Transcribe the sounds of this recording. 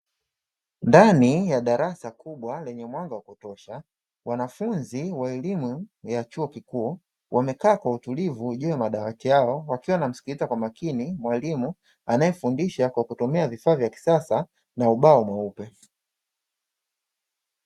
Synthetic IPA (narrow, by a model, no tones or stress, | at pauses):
ndanijaɗaɾasakuɓwalɛɲɛmwaŋɡawakutɔʃa | wanafunziwaɛlimujat͡ʃuɔkikuː | wʔamɛkaːkwautulivuʄujamaɗawatijaɔwakiwanam̩si̥kitakwamakinimwalimu | anajɛfundiʃakwakutɔmɛavifaːvjaki̥sasa | nauɓaɔmwaupɛ